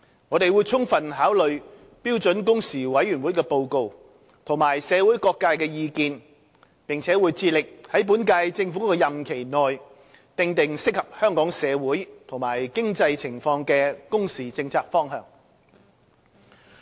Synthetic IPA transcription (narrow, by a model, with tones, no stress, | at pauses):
ŋɔː˨˧t̪e˨jwu˨˧jt͡sʰʊ˥ŋfɐ˨nɦaː˨˥wlɵ˨ɥ | piː˥wt͡ʃɵ˨˥nk̬ʊ˥ŋsiː˨˩wɐ˨˥jyː˨˩nwuː˨˥jkɛː˧po˧wko˧w | t̪ʰʊ˨˩ŋmaː˨˩jsɛː˨˧wuː˨˥jkɔː˧kːaː˧jkɛː˧jiː˧kiː˧n | pɪ˨˩ŋt͡sʰɛː˨˥wuː˨˧jt͡siː˧lɪ˨k̚hɐ˨˥jp̬uː˨˥nkaː˧jt͡sɪ˧ŋfu˨˥kɛ˧jɐ˨mkʰe˨˩jnɔː˨j | t̪ɪ˧ŋt̪ɪ˨ŋsɪ˥k̚hɐ˨p̚hœː˥ŋkɔː˨˥ŋsɛː˨˧wuː˨˥jt̪ʰʊ˨˩ŋmaː˨˩jkɪ˥ŋt͡sɐ˧jt͡sʰɪ˨˩ŋfɔː˧ŋkɛː˧kʊ˥ŋsiː˨t͡sɪ˧ŋt͡sʰaː˧k̚fɔː˥ŋɦœ̰ː˨˩ŋ